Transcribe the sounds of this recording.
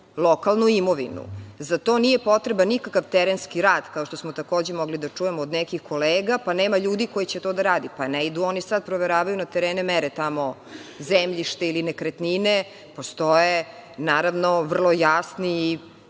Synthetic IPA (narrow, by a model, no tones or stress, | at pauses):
lˠokalˠnuimoʋḭnṵzat̪o̞ːnijepo̞t̪ɾebanikakaʋt̪ɛɾenskiɾaːd̪̥kaoʃt̪osmot̪ako̞ːd͡ʑemoɡlid̪at͡ʂujemoːd̪nɛkixko̞leːɡapaneːmaʎuːd̪iko̞jit͡ɕet̪od̪aɾaːd̪ipaneid̪uo̞nisad̪̚pɾoʋeɾaːʋajunat̪eɾeːnemɛɾet̪amo̞zemʎiʃt̪eilinekɾet̪nine | po̞st̪oje | naːɾaʋnoʋr̩lˠojasniː